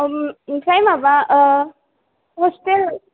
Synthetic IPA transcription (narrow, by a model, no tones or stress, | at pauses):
kajmaba | ɦosʈel